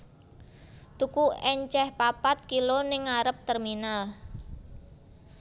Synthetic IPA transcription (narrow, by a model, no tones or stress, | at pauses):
t̪ukuɛɲt͡ʃɛhpapat̪̚kilonɪŋaɾəp̚t̪ɛrminal